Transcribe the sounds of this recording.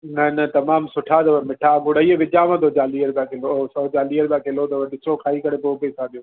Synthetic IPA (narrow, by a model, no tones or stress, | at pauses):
nɐnɐt̪ɐmaːmsʊʈʰat̪̬ɐʊemɪʈʰaɡʊɽəieʋɪd͡ʑaːʋãt̪oːt͡ɕaːliːəɾbãːkʰeloosɐt͡ɕaːliːəɾbãːkʰeɪlot̪ɐʊɗɪsɾokʰaːikɐɽepopesãːɗ̪ijoː